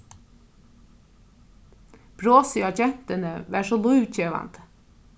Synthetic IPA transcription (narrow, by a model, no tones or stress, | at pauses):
b̥ɾoːsiːɑd͡ʒɛnt̪ənəʋæːʃoːlʉːʋc͡çeːʋɑ̰nt̪